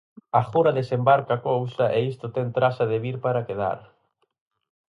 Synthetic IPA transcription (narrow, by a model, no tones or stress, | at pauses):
axuɾɐðesembaɾkakowsɐʔeist̪ʊt̪ɛnt̪ɾasɐðeβiɾpaɾakeða̰ɾ